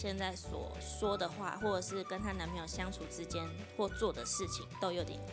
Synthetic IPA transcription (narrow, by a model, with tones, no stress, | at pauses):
ɕjɛ˥˧nt͡sa˥˩ɪswɔ̰˨˩ | ʂwɔ˥d̪ə˨xwa̰˥˩xwɔ˥˩ʈ͡ʂɤ˨˩ʂɻ̩˥˩kə˥nt̪ʰa˥na˨˧˥nme˧˥˩jo˨˩ɕjɑ˥ŋt͡sʰu˨˩ʈ͡ʂɻ̩˥t͡ɕjɛ˥n | xwɔ˥˧t͡swɔ˥˩d̪ə˩ʂɻ̩˥˩t͡ɕʰḭ˨˩ŋt̪o˥ʊjo˧˥ʊt̪jɛ̰˨˩n